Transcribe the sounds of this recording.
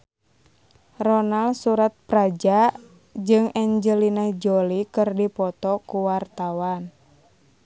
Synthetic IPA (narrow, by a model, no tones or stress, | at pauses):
rɔnalsuɾat̪̚pɾad͡ʒa | d͡ʒɨŋɛɲd͡ʒəlinad͡ʒɔlikɨrdipɔt̪ɔkuwart̪awan